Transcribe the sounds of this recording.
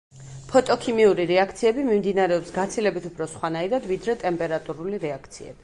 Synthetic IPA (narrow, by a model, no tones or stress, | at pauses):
pʰɔt̪ʼɔkʰimiuɾiɾɛakʰt̪sʰiɛbimimd̪inaɾɛɔpsɡat̪sʰilɛbit̪ʰupʰɾɔsχwanaiɾad̪vid̪ɾɛt̪ʼɛmpʼɛɾat̪ʼuɾuliɾɛakʰt̪sʰḭɛ̰b̥i̥